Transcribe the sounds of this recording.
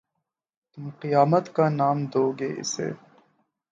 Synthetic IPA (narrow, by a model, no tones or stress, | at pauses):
t̪ʊmqijaːmət̪kanaːmd̪oːɡeːɪ̰sḛː